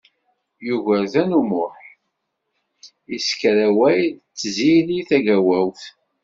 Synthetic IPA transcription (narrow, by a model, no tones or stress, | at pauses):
juvæðænumʊħ | iskɾæwæjðt͡sːziliθæʝæwæwθ